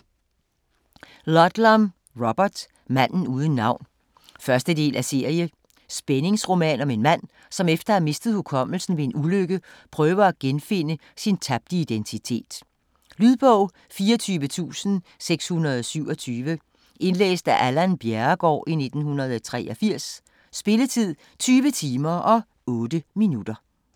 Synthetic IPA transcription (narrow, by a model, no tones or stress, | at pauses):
lɒd̥lɒm | ʁɒb̥ɐd̥ | mæn̰n̩uːð̞ˠən̩ːɑ̈ʊ̰n | fɶɐsd̥əd̥e̝̰ːlʔæse̝ɐ̰ijə | sb̥ene̝ŋsʁo̝mɛ̰ːnɒ̽me̝nmæn̰ | sɒ̽mefd̥ɐhæme̝sd̥əð̞̩ˠhukʰɒ̽m̰l̩sn̩ʋe̝nuløɡ̥əpʰʁœːʊɐæɡ̥enfe̝nəsint͡sʰæb̥̚d̥əid̥ent͡sʰit͡sʰe̝̰ːd̥ | lyðˠb̥ɔʊ̰ | fiːɒt͡sʰyːʋət͡sʰṵːsn̩ | seɡ̥shunɐðˠɒsyʊ̰ɒ̽t͡sʰyːʋə | ʔe̝nlḛːsd̥æʔælænb̥jæɐɡ̥ɒ̰ːʔine̝d̥n̩hunɐð̞̩ˠɒt͡sʰʁɛ̰ːʔɒ̽fiɐ̰sː | b̥e̝lət͡sʰið̞̰ˠ | t͡sʰyːʋət͡sʰiːmɐʔɒ̽ | ɔ̽ːd̥əminud̥ɐ